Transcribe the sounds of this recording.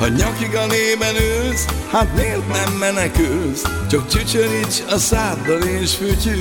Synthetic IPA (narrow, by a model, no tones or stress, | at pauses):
hɒɲɒkiɡɒneːbɛnøːshat̪meːrt̪nɛmːɛnɛkylst͡ʃɒk̚d͡ʒyt͡ʃøɾit͡ʃɒsaːd̪ɒleːʃføːt͡ʃy